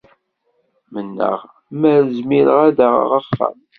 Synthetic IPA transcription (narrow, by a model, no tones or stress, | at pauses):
mənːə̰ʁ | mæzmiɾəʁæðəʁ̰ʁəfːə̰m